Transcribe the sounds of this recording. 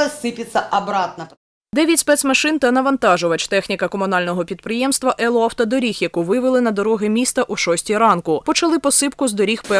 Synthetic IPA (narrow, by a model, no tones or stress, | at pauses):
ɛsɪpʲɪt̪sʲɐʔɐbɾɑt̪nɐ | d̪ɛʋʲjɐtʲspɛsmɐʃɪnt̪ɐnɐʋɐnt̪ɑʒʊʋɐt͡ʃt̪ɛxnʲikɐkɔmʊnɑlʲnɔɦɔpʲid̪̚pɾɪjɛmst̪ʋɐʔɛlˠɔɐwt̪ɐd̪ɔɾʲixjɐkuʋɪʋɪlˠɪnɐd̪ɔɾɔɦʲɪmʲist̪ɐʔuʃɔsʲtʲiɾɑnkʊpɔt͡ʃɐlˠɪpɔsɪpkʊzd̪ɔɾʲixpɛ